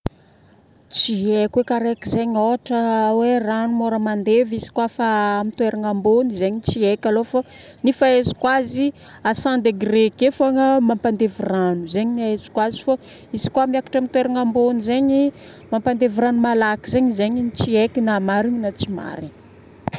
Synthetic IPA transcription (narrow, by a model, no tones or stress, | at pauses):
t͡siekʲwekaɾekizeɲoaʈ͡ʂəweranumoɾəmand̪evizi̥kwafaːmit̪weɾʔaŋambonizeɲit͡siekʲalofa | nifaezi̥kwazi | asand̪eɡrekefaŋamampand̪eviranuzeɲinaezi̥kwazifo | izi̥kuamiakḁʈ͡ʂamit̪weɾaŋambonizeɲi | mampand̪eviɾanumalakizeɲizeɲinit͡siekinamaɾiɲinat͡sima̰ɾi